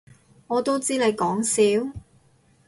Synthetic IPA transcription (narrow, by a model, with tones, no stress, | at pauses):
ŋɔː˨˧t̪o˥wt͡siː˥le˨˧jkɔː˨˥ŋsiː˨˥w